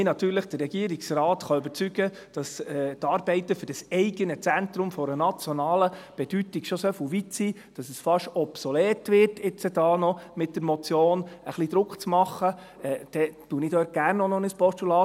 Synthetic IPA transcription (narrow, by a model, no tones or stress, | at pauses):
mɪnɑtyːɾləχd̥əɾːɛɡiəɾiksrɑːt̪χɑʏbəɾt͡syɡə | d̥ɑsɛːt̪ɑːɾbɛɪtəfɵd̥ɑsɛɪɡənət͡sænt̪ɾʊmfɔɾənɑt͡sjɔnɑːləb̥ɛd̥ytɪɡʃosøfulʋitsiː | d̥ɑsəsfɑʃɔbsolɛːtʋɪrtɪt͡səd̥ɑːnɔmɪt̚d̥əɾmɔt͡sjoːnəχlid̥̪ɾʊkχt͡smɑχːə | ɛd̥ɛtuːənɪdøːt̚ɡ̥ærnːɔnɔnəspɔstulɑː